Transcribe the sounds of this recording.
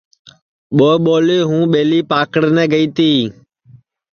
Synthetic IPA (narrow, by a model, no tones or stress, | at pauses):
ɓoːɓoːleːɦũːɓeːliːpaːkəɽnɛ̃ːɡəiːt̪iː